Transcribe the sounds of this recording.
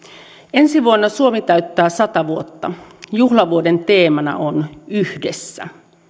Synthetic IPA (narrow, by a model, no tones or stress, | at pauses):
e̞nsiʋuonːɑsuomit̪æɥt̪ːæːsɑt̪ɑʋuot̪ːɑ̰juhlɑʋuode̞nt̪e̞ːmænæ̰onyhdesːæ̰